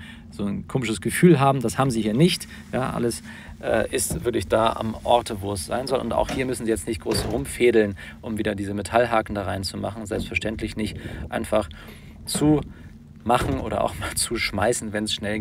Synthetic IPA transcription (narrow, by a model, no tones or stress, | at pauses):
z̥oːnkʰoːmɪʃəsɡ̥əfyːlɦaːbm̩dashaːbm̩ziːhiːɐnɪçt | jaːʔa̰ləs | ʔɛ̰ːʔɪstv̥ɪɐk̬lɪçd̥aːʔa̰mʔɔɐtʰəvoːɛsz̥a̰ɪnzɔlʊ̰nta̰ʊxhiːɐmʏsn̩ziːjɛt͡stnɪçt̚ɡ̥ʁoːsʁʊmfeːdl̩n | ʔʊmviːdɐdiːzəmetʰalɦaːkn̩daːʁaɪnt͡suma̰χn̩zɛlpstfɛɐʃtɛntlɪçnɪçtʔa̰ɪnfaχ | t͡su | maχn̩ʔoːɾɐ̰ʔa̰ʊxmaːlt͡suʃmaɪsn̩vɛnsʃnɛl